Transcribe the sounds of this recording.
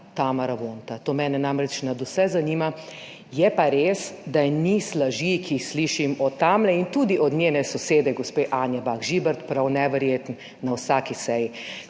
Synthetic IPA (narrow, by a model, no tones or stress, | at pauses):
t̪aːmaɾaʋoːnt̪at̪oːmɛːnɛnamɾɛt͡ʃnad̪usɛzaniːma | jɛpaɾeːsd̪anislaʒikiixsliʃimɔt̪aːmlɛint̪uːd̪iʔɔd̪ɲeːnɛsɔseːd̪ɛɡɔspeʔaːnjɛbaxʒibɛɾt̪pɾawnɛʋɛɾjeːt̪n | nawsaːkisɛji